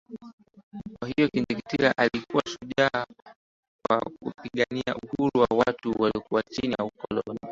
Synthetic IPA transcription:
kwaɦijɔkiɲzikitiɾaʔalikuwaʃuʄaː | kwa̰kṵpiɠaniauhuɾuwawatuwaliɔkuwat͡ʃinijaukɔlɔni

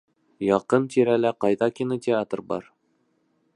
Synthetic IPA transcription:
jɒqɤnt̪iɾælæqɑjðɑkʲinotʲɪat̪rbɒ̰ɾ

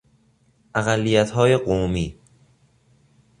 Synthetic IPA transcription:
ʔæɣælːijæt̪ʰhɒːjeɢomiː

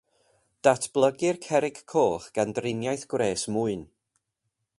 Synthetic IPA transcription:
d̥atʰb̥lˠəɡɪrkʰɛɾɪɡʰoːχɡ̥andrɪnjajθɡ̥wreːsmuːɨn

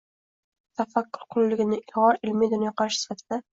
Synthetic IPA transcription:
t̪ʰafakːʊɾqʰʊlːɪɡʲɪnɪʔɪʁɒɾɪlmid̪ʊnjɒqʰɑɾʃɪsɪ̥fat̪ʰɪd̪̥a

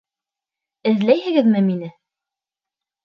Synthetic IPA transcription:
ɘ̆ðlæjhɘ̆ɡɘðmɘminɘ

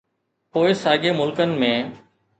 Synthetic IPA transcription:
poːɪsaːɡeːmʊlkənɪ̆mẽː

